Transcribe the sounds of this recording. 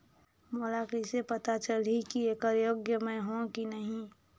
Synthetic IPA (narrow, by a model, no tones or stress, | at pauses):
molakisepət̪at͡ʃəlikieːkəɾjoːɡjəmẽɦõkinəɦĩ